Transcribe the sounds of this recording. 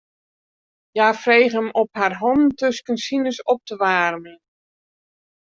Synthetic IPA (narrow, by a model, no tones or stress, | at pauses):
jaːfrejχəmɔpharɦɔntɵskənsinəsɔp̚təʋaːrmən